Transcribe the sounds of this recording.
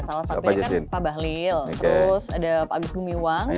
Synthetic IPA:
salasaap̪uad͡ʒasɪnpabaɦliltok̪əeɾʊsadapaɡʊsɡumiuwaŋ

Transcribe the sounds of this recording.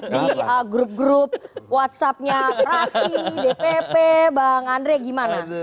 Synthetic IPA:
diəɡɾup̚ɡɾup̚wat̪̚sap̚ɲamɾaksidepepebaŋandɾɛɡimana

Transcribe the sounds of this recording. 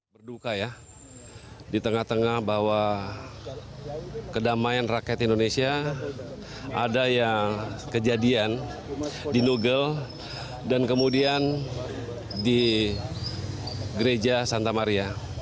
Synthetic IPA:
bərdukaja | dit̪əŋaht̪əŋahbawa | kədamajanrakɛt̪indonesia | ʔadajaŋkəd͡ʒadian | dinuɡəl | dankəmudian | di | ɡəɾed͡ʒasant̪amaɾia

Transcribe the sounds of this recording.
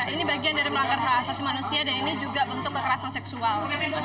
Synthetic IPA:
aʔinibaɡiandaɾiməlaŋɡarɦaːsasimanusiadaninid͡ʒuɡabənt̪ʊkːəkəɾasansɛksual

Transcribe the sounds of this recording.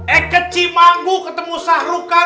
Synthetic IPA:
ɛkət͡ʃimaŋɡukət̪əmusahruka

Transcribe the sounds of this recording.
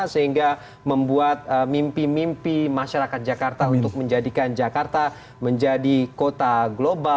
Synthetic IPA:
səɦiŋɡa | məmbuat̪̚əmimpimimpimaʃaɾakat̪̚d͡ʒakart̪aunt̪ʊk̚məɲd͡ʒadikand͡ʒakart̪a | məɲd͡ʒadikot̪aɡloba

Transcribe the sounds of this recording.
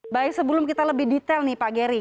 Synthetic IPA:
baɪk̚səbəlʊmkit̪aləbɪhdit̪ɛlnɪhpaɡeɾi

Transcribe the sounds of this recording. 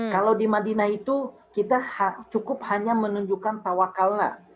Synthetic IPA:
kalawdimadinahit̪u | kit̪ahat͡ʃukʊp̚haɲamənuɲd͡ʒukant̪awakalna̰

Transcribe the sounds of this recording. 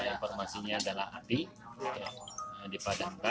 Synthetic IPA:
infɔrmasiɲaːdalaɦa̰t̪i | aədipadaŋka

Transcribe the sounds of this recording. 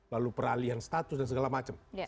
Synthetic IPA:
lalupəɾalianst̪at̪ʊ̥sdansəɡalamat͡ʃəm

